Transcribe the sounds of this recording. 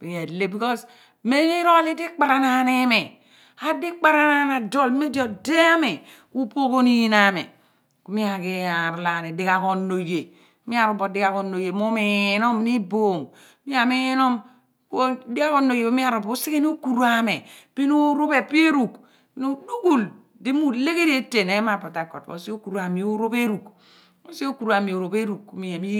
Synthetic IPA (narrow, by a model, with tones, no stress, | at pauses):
pi˨e˨le˦bi˨kɔ˦s | me˦ni˦ɾo˦a˦li˦di˦k͡pa˨ɾa˦na˨˦ne˦me˨ | a˨di˦k͡pa˦ɾa˦na˦na˨do˦lmi˦di˦o˨de˦a˦me˨ | ku˦po˦ko˦ni˦ji˦na˦mḛ˨ | ku˨˦mi˦a˨ki˦a˨ɾla˨ne˨di˦ka˨ko˨no˨je˨˦ | mi˦a˨ɾo˨bo˨di˦ka˨ko˨no˨je˨mo˦me˨je˨no˦mni˦bo˦˨ŋ | mi˦a˨me˦je˦no˦m | ko˦di˦ɡa˦ko˦nːo˨je˨o˦mi˦a˦˨ɾo˨bo˦si˦ke˦n˦o˦ku˨ɾu˦a˦me˨pi˦no˦ɾo˦pe˨pi˦e˦ɾu˨k | nu˦du˦ɡu˦˨l | di˦mu˦le˦ke˦de˦te˨ne˦ma˨pa˨ta˨kɔ̰˨tbo̰˨˦si˦o˦ku˨ɾu˦a˨mi˨o˦ɾo˦pe˦ɾu˨k | o˦si˦o˦ku˨ɾu˦a˨mi˨o˨ɾo˨pe˦ɾu˨kku˦mi˦e˨mi˦